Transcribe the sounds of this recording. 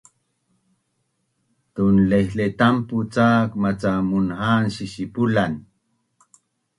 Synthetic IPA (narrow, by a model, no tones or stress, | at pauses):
t̪unlehlet̪amput͡saːkmat͡samunhanʃiʃipulan